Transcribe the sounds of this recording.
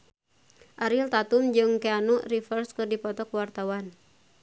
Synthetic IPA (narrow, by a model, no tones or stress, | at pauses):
ʔaɾilt̪at̪umd͡ʒɨŋkeanuʔrifərskɨrdipɔt̪ɔkwart̪awan